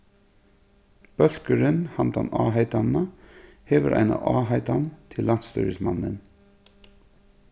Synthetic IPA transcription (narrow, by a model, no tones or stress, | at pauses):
b̥œlkəɾənhɑnt̪ɑnɑ̰ːɦɑɪt̪ɑnɑ | heːʋəɾʔæ̰ɪnɑ̰ʔɑːɦɑɪt̪ɑnt̪ʰɪlːɑnst̪œ̰ːɹəsmɑnən